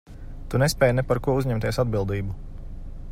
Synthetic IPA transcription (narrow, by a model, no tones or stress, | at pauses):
t̪unespʲɛːjnɛpaɾkuɔuzʲɲɛmt̪ʲiɛsad̪bilˠd̪iːbu